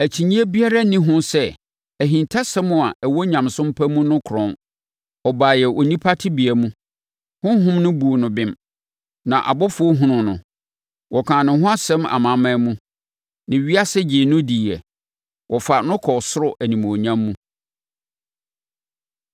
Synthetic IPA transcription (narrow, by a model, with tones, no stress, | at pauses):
æ˨t͡ɕʰi˨ɲĩ˦ɛ˦bi˦a˦ɾa˦nĩ˦ɦʊ̃˦sɛ˦ | æ˨ɦĩ˨ntʰa˦sɛ˦mʊ̃˨a˨ʔɛ˨wɔ˦ɲã˨msʊ̃˦m˦pʰæ˦mũ˦nʊ̃˦kʰʊ˨ɾɔ̃˦n | ɔ˨baː˨jɛ˨ʔɔ˨nĩ˦pʰa˦tʰɪ˦bi˨æ˨mũ˦ | hʊ̃˦ɦʊ̃˦mnʊ̃˦bu˨nʊ̃˨bɪ̃˦m | nã˨ʔa̰˨bɔ˦fʊ˦o˦ɦʊ̃˦nʊ̃˨nʊ̰̃˨ | wʔɔ˨kʰãː˨nʊ̃˨ɦʊ̃˦a˦sɛ̃˦ma̰˨mã˨˦mã˦mũ˦ | nɪ̃˨ɥi˦a˦sɛ˦d͡ʑɪː˨nʊ̃˦di˨ɛ˨ | wʔɔ˨fa˨nʊ̃˦kʰɔ˨sʊ˦ɾʊ˦ʔæ˨nĩ˨mo˨ɲã˦mːũ˦